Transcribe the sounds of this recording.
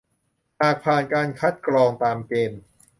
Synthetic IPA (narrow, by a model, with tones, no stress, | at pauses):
haː˨˩k̚pʰaː˨˩nkaː˧nkʰa˦˥t̪̚klɔː˧ŋt̪aː˧mkeː˧n